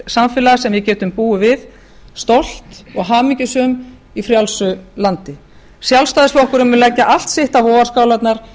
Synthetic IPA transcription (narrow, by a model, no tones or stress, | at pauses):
samfɪlaasɛmvɪcɛːt̪ʏmpuːʏvɪð | st̪owl̥t̪ɔɣɦaːmicʏsœm | ifɾjalsʏlant̪ɪ | sjalst̪aːðɪsvɔhkʏɾʏmvɪnlɛcːaʔal̥t̪sɪht̪avɔːarskaːwlat̪naɾ̥